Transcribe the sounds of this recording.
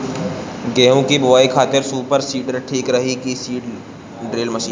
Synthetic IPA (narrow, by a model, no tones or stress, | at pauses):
ɡɛːɦõkibʊʋaːikʰaːt̪ɪɾsuːpəɾsiːʈəɾʈʰiːkɾɐɦikisiːʈ | ɖɾeːlmɐʃiːn